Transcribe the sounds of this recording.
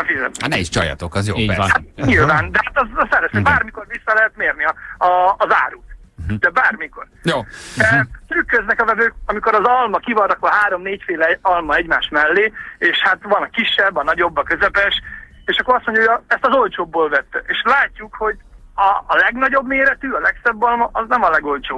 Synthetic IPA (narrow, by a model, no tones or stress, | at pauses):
ɛfizɛ̰t̪t̪nɛiʃt͡ʃɒ̰jɒ̰t̪okɒzjo̰hat̪̚ɲɲilvaːnd̪ɛhat̪ɒzsɛɾɛʃɛbaːrmiko̞rvisːɒlɛɦɛt̪meːrniɒɒːza̰ːɾuːt̪d̪̥ɛbaːrmiko̞rjo | t̪yːkːøznɛkɒvɛvøːkɒmiko̞ɾɒzɒlmɒkivɒnt̪ɒkoɦaːɾo̞mneːcfeːlɛɒlmɒɛɟmaːʃmɛlːeːeːʃhat̪ʋɒnɒkiʃːɛbːɒnɒɟo̞bːɒkøzɛpɛʃ | eːʃɒkːoɾɒst̪mo̞ɲɟjɒɦoɟɒɛst̪ɒzo̞lt͡ʃoːbːoːlvɛt̪ːeːʃlaːcːukho̞ɟ | ɒːlɛɡnɒɟo̞bmeːɾɛt̪yːɒlɛksɛbːɒlmɒʔɒznɛmɒlɛɡo̞lt͡ʃoːb